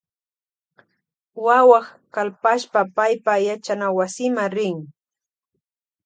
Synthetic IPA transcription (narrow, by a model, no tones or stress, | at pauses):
wawɑχkalpaʃpapajpajat͡ʃanawasɪmaɾɪŋ